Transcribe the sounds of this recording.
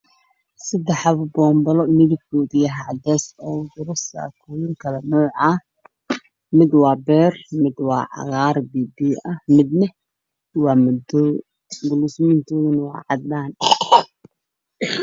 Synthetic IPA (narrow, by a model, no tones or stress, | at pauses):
sɐd̪ɛħɑβbɔːmbɐlɔmɪðɪb̚kʰɔːðɪjɐɦaːd̪ɛːsɔːɡʊɾʊsa̰ːkʰujɪŋkʰɐlɛnɔːʕɑ | mɪd̪wɑːbɛːrmɪd̪wɑːʕɑ̰ɣɑːrbiːbiːɐmɪd̪nɐ | wɑːmʊd̪ɔ | ɡʊlusmɪnt̪ʰɔːðɐnwɑ̰ːʕɑd̪laːn